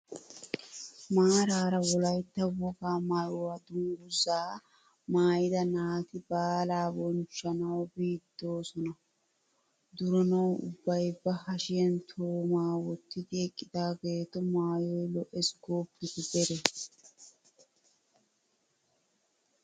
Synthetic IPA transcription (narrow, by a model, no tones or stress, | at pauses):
maːɾaːɾɐwɔlɐjt̪ːɐwɔkaːmɐjɔwɐd̪ʊŋɡʊzaː | maːjɪd̪ɐnaːt̪ɪbaːlaːbɔnt͡ʃːɐnɐwbiːd̪̥ːo̞ːsɔnɐ | d̪ʊɾɔnɐwʊ̰bːɐjbːɐhɐʃɪjɐnt̪ʰoːmaːwɔt̪ːɪd̪ɪɛkʼːɪd̪̥aːɡe̞ːt̪ːɔmaːjɔjlɔʔɛsɡoːbːɪd̪ɪd̪ɛɾɛ